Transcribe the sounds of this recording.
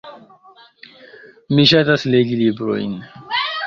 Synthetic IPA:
miɕat̪asleɡilibɾoḭn

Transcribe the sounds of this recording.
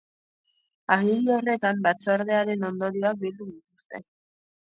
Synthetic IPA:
aɣiɾiore̞t̪ambat͡saɾðe̞aɾe̞no̞nd̪o̞ɾioak̚bild̪uðit̪ust̪e

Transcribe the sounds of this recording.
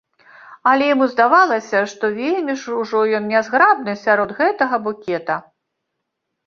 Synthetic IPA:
ɐlʲɛjamuzd̪avalˠɐsʲɐʂt̪ɔvʲelʲmʲiʂuʐɔjɔnnʲazɣɾab̚nɨsʲaɾɔd̪ɣɛt̪ɐɣɐbukʲɛt̪ɐ

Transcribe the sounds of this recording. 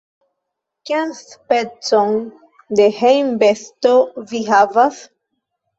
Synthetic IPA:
kianspet͡son | de̞hejmbestoviɦavas

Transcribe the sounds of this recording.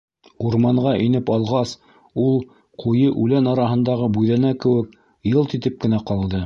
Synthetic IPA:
uɾmɑɴʁɑʔinɘpɑlˠʁɑs | ulˠ | qʰujɤʔʉlænɑɾɑɦɤ̆nd̪ɑʁɤbujðænækɘ̆wɘk | jɤlˠt̪it̪ɘp̚kɘ̆næqɑlˠd̪ɤ

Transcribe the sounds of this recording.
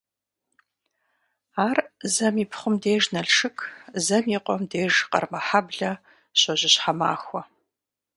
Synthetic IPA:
aːrzɐmiːpʰχʷʊmdeːʒnɐɬʂɨkʰzɐmiːqʷɔmdeːʒqɐ̰rmɐħabɮɐ | ɕɐʑɪɕħama̰ːxʷɔ

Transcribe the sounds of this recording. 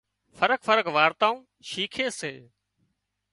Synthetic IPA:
fʰəɾəkfəɾəkʋaːɾt̪aːũː | ʃiːkʰeːseː

